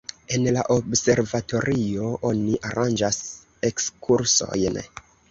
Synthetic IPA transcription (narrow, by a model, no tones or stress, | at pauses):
e̞nlaʔobse̞ɾvato̞ɾʔio̞ʔoniʔaɾand͡ʒas | ekskʰuɾso̞̰jn